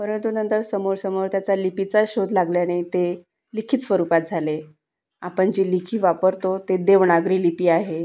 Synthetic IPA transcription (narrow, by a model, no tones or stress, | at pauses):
pəɾənt̪unənt̪əɾsəmoɾsəmoɾt̪jat͡salipit͡saɕod̪laɡljanet̪e | likʰiːt̪sʋəɾupat̪̚d͡zʱale | apəɳd͡ʑiːlikʰiːʋapəɾt̪ot̪ed̪eʋɳaɡɾiːlipiːaɦe